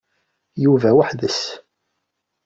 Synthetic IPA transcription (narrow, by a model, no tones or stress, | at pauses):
juvæwaħðəs